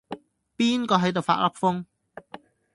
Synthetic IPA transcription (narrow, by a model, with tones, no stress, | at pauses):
piː˥nkɔː˧ɦɐ˨˥jt̪o˨wfa̰ː˧t̚lɐ˦˥p̚fʊ˥ŋ